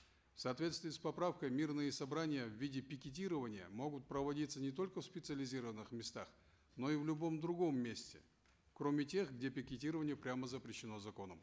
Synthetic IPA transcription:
fsɐːt̪vʲet̪st̪vɪːspɐpɾafkəjmʲirnɨjɪsɐbɾanʲɪjəvːʲidʲɪpʲɪkʲɪt̬ʲiɾəvənʲɪjə̰mo̞ɡʊt̪̚pɾəvɐdʲit̪sənʲɪt̪o̞lʲkəfspʲɪt̪sɨəlʲɪzʲiɾəvənːɨxmʲɪst̪ax | no̞ivlʲʊbo̞md̪ɾʊɡo̞mːʲesʲtʲɪ̰ | kɾo̞mʲɪtʲe̞xɡdʲe̞pʲɪkʲɪtʲiɾəvənʲɪjəpɾʲaməzəpɾʲɪɕːɪno̞zɐko̞nəm

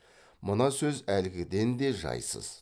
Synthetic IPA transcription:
mənɑsɵzælɡʲɪd̪e̞nd̪e̞ʒɑ̰jsə̰z̥

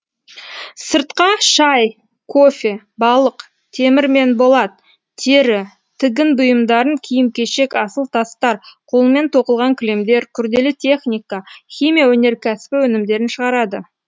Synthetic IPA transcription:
səɾt̪qɑʃɑj | kʰo̞fʲe̞ | bɑlˠəq | t̪ʰe̞mɪɾme̞nbo̞lˠɑt̪ | t̪ʰe̞ɾɪ | t̪ʰɪɡʲɪnbʊjəmd̪ɑɾəŋkʲʰijɪmkʲe̞ʃe̞kɑsəlˠt̪ʰɑst̪ɑɾqʰolˠəme̞nt̪ʰo̞qəlˠʁɑŋkʲʰɪlemd̪e̞ɾkʲʰʏɾd̪e̞lɪt̪ʲʰe̞χnʲijkɑxʲimʲijawɵne̞ɾkʲʰæsɪ̥pɪwɵnɪmd̪e̞ɾɪnʃəʁɑɾɑd̪ə

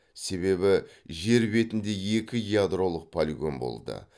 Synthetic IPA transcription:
se̞βe̞bɪʒe̞ɾbe̞t̪ɪnd̪e̞je̞kʲɪiad̪ɾo̞lˠəq̚pʰalʲiɡʲo̞̰nbo̞̰lˠd̪ə̰

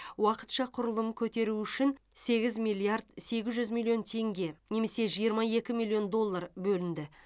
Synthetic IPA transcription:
wɑqə̥t̪ʃɑqʰʊɾəlˠəmkʲʰɵt̪e̞ɾuʏʃɪnse̞ɡʲɪzmʲijlˠijaɾd̪se̞ɡʲɪzʒʏzmʲilʲˠio̞nt̪ʰe̞ŋɡʲe̞ne̞me̞se̞ʒijəɾmɑje̞kʲɪmilʲˠjo̞nd̪o̞lˠːarbɵlɪnd̪ɪ

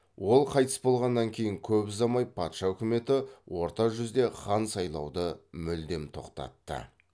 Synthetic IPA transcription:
wʔo̞lˠqʰɑjt̪əsbo̞lˠʁɑnːɑŋkʲʰe̞jɪŋkʲʰɵpɪzɑmɑjpʰɑt̪ʃɑʏkʲɪme̞t̪ɪwo̞ɾt̪ɑʒʏzd̪e̞χɑnsɑjlˠɑwd̪əmʏld̪e̞mt̪ʰo̞̰qt̪ɑ̰t̪ːə̰

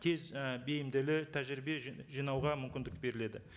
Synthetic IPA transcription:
t̪ʲʰe̞zbe̞jɪmd̪ɪlɪt̪ʰæʒɾibe̞ʒijnɑwʁɑmʏmkʲɪnd̪ɪk̚be̞ɾɪle̞d̪ɪ

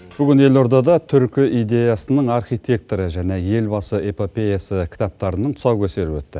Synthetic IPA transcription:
b̥ʏɡʲɪne̞lo̞ɾd̪ɑd̪ɑt̪ʰʏɾkʲɪʔijd̪e̞jɑsənəɴɑrχijt̪ʲe̞k̚t̪oɾəʒæne̞je̞lbɑsəepo̞pʲe̞jasəkʲʰɪ̥t̪ɑp̚t̪ɑɾənəɴt̪ʰʊ̥sɑwkʲʰɵse̞ɾɪpwɵ̰t̪ːɪ̰

